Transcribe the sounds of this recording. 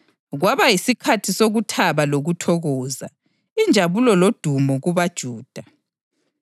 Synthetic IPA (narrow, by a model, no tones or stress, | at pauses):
ɣwaβajisikʰatʰisoɣutʰaβaloɣutʰɔɣɔːza | ind͡ʒʱaβulɔlod̥ʱumɔɣuβad̥ʒ̥ʱuːd̥ʱa